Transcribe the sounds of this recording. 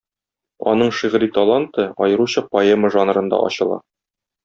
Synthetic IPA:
ɒ̰nɤɴʃiʁɾit̪ɐlˠant̪ɤɒjɤ̆ɾuɕɑpɐeməʒɑnɾɤ̆nd̪ɑ̰ʔɒ̰ɕɤ̆lˠɑ̰

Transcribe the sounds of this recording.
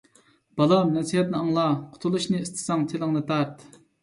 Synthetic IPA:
b̥ɑlɑmnæsiɦɛt̪̚nɨɑŋlˠɑqʰo̥t̪ʰulˠuʃnɨːst̪ʰɪ̥sɑŋt̪ʰelˠɑŋnɨt̪ɑɾt̪

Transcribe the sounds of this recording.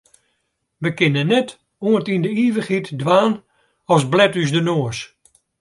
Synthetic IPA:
ʋəkɪnənːɛt | oəntindəiːʋəχitdʋaːn | ɔsblɛtyzdənoəs

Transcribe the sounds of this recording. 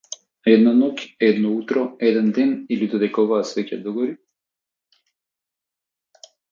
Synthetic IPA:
ɛd̪nanɔkʲɛd̪nɔut̪ɾɔɛd̪ɛnd̪ɛnilid̪od̪ɛkɔvasvɛcʲad̪ɔɡɔɾi

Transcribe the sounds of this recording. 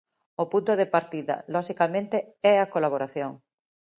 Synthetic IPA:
opunt̪oðepaɾt̪iðɐ̰lɔʃikamẽnt̪eɛakolaβ̞oɾaθjoŋ

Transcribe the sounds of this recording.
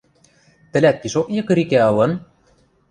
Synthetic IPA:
t̪ɘ̆lʲæt̪̚piʃokjɤ̆kɤ̆ɾikæɤ̆lɤ̆n

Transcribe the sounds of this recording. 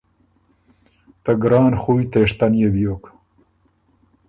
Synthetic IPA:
t̪aɡɾɑːnxuːwjt̪eʂt̪anjebjok

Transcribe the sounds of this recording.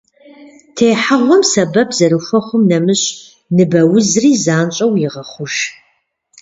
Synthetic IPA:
tʰeːħaʁʷɔmsɐbɐpʰzɐɾɨxʷɐχʷʊmnɐmɨɕ | nɨbɐwʊzriːzaːnt͡ʃʼɐwjɪʁɐχʷʊʒ

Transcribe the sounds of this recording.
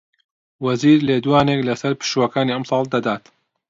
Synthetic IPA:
wɐziːɾleːd̪uwaːneːklɐsɐɾpɨ̥ʃuwɐkaːniɐmsɑːlˠd̪ɐd̪aːt̪

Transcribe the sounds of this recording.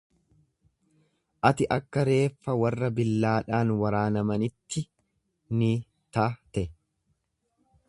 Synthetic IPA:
ʔɐt̪ɪʔɐkːɐɾe̞ːfːɐwɐrːɐbɪlːaːᶑaːnwɐɾaːnɐmɐnɪt̪ːɪ | ni | t̪aːt̪ɛʔɛ

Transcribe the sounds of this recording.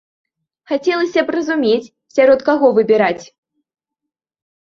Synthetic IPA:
xat͡sʲɛlˠɐsʲɐprɐzumʲet͡sʲ | sʲaɾɔt̪kaɣɔvɨbʲɛɾat͡sʲ

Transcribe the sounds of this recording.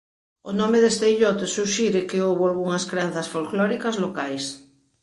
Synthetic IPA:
onɔ̃meðest̪eiʎɔt̪esuʃiɾekeowβoalɣuŋɐskɾean̟θɐsfolklɔɾikazlokajs

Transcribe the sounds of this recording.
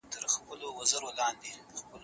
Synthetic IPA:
t̪əɾxpəlowazəɾolɑnd̪expəl

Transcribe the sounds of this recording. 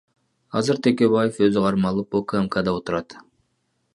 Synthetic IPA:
ɑzɨɾt̪ʰe̞ke̞βajefø̞zyqɑɾmɑlˠɯpokəemkad̪ɑo̞t̪uɾɑt̪

